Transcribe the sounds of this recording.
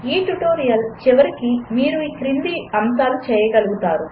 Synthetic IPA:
iːʈuʈoːɾijɐlt͡ʃiʋɐɾikimiːɾuiːkɾind̪iːɐmt̪aːlut͡ʃɛːjɐɡɐluɡut̪aːɾu

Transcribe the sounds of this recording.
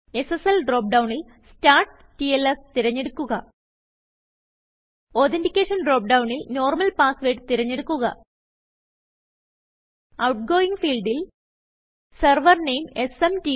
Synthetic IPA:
e̞seselɖro̞ːp̚ɖɐwɳil | staːrʈ | tielest̪iɾɐɲːeɽukːuɣɐ | oːt̪ʰendikʲːeːʂɐnɖroːp̚ɖɐwɳilno̞ːrmɐlpaːsʋeːʈɨt̪iɾɐɲːe̞ɽukːuɣɐ | ɐwʈ̚ɡo̞ːiŋɡfiːlɖil | sɐrʋɐrnejme̞semti

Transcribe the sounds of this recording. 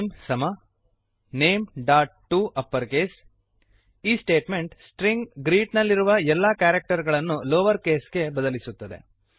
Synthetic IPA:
msɐmɐ | ne̞ːmɖaːʈʈːuʔɐpːɐɾke̞ːs | iːsʈe̞ːʈme̞ɳʈsʈɾiŋɡɡɾiːʈnɐlːiɾuʋɐɛlːɐkaːɾek̚ʈɐɾɡɐɭɐnːuloːʋɐɾke̞ːsɡe̞bɐd̪ɐlisut̪ːɐd̪e̞̰

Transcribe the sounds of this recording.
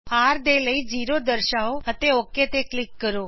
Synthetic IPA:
ɦaɾd̪eləid͡ʒiɾod̪əɾʃaoɦət̪eoket̪eklikːəɾo

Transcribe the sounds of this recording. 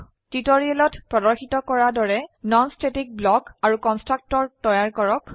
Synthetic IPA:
titɔɹiɛlɔtpɹɔdɔɹxitɔkɔɹadɔɹɛnɔnstetik̚blɔkaɹukɔnstɹak̚tɔɹtɔjaɹkɔɹɔk

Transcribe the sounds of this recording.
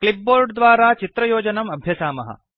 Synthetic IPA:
klip̚boːɾɖd̪ʋaːɾaːt͡ʃit̪ɾɐjoːd͡ʒɐnɐmɐbʱjɐsaːmɐ̰ɦɐ̰

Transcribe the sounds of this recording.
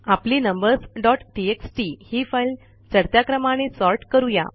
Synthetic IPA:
apliːnəmbəɾsɖɔʈʈieksʈihiːfajl | t͡ɕəɾt̪jakɾəmaɽ̃esɔɾʈkəɾuja̰

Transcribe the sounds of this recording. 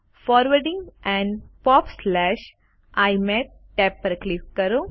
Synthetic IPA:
fɔːɾʋəɾɖĩŋɡɛ̃ɳpɔːpslɛʃ | ajme | ʈɛpːəɾklikkəɾo

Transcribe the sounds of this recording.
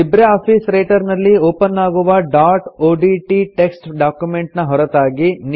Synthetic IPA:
ibɾeaːpʰisɾɐjʈɐɾnɐlːioːpɐnːaːɡuʋɐɖaːɾʈoːɖiʈiʈeksʈɖaːkjumeɳʈnɐɦɔɾɐt̪aːɡin

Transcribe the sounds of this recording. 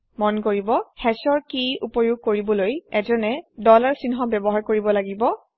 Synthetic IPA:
mɔnkoɹibɔhɛsɔɹkiupɔjuɡ̚koɹibɔlojɛzɔnɛdɔlaɹsinɦɔbɛbɔɦaɹkoɹibɔlaɡibɔ

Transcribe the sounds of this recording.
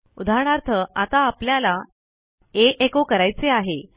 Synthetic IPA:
ud̪ʱaɳ̃aɾt̪ʰəat̪aːpljala | eʔekokəɾajt͡seaɦe

